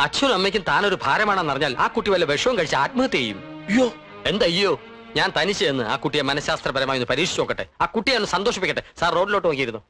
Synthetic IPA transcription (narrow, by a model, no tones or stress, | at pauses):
ɐt͡ɕʰːɐnnɐmːekʲːumt̪aːno̞ɾubʱaːɾɐmaːɳenːɐrɐɲːaːla̰ːkuʈːiʋɐlːɐʋeʂɐʋɐmkɐɻit͡ɕːɨaːt̪̚mɐɣɐt̪ːiejṵmijoː | e̞nd̪ɐjɐo̞ː | ɲaːnt̪ɐnit͡ɕːɨenːɨa̰ːkuʈːijemɐnɐsjaːst̪rɐpɐɾɐmaːjonːɨpɐɾiːʂi̥t͡ɕːoːkːɐʈːɨ̰aːkuʈːijaːnːɨsɐnd̪oːʂɐpːikʲːɐʈːɨsaːrro̞ːɖilo̞ːʈːʋɐkːijiɾunːo